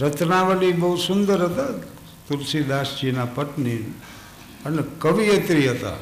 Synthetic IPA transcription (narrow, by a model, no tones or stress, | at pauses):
ɾət̪ʰnaʋəlibəɦusʊnd̪əɾɦət̪a | t̪ulsid̪aːsd͡ʒinapəʈnin | ənekəʋijət̪ɾiɦət̪a̰